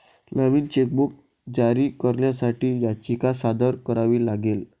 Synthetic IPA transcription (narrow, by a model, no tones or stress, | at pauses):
nəʋiːnt͡ɕek̚buk̚ | d͡ʑaɾiːkəɾɳjasaʈiːjat͡ɕikasad̪əɾkəɾaʋiːlaɡel